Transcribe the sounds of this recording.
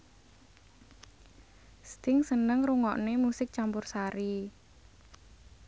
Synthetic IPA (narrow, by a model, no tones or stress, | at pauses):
st̪ɪŋsənəŋruŋɔ̰ʔnemusɪk̚t͡ʃampʊrsaɾi